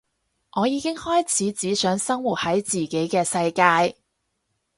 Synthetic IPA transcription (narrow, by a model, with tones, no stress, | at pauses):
ŋɔː˨˧jiː˨˧kɪ˥ŋhɔː˥jt͡sʰiː˨˥t͡siː˨˥sœː˨˥ŋsɐ˥ŋwuː˨˩t̚hɐ˨˥jt͡siː˨˩ke˨˥jkɛː˧sɐ˧jkaː˧j